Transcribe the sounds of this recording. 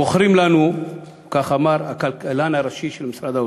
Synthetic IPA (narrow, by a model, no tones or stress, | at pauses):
oχɾimlanu | kaχamaɾakalkalanaɾaʃiʃelmisɾad̪a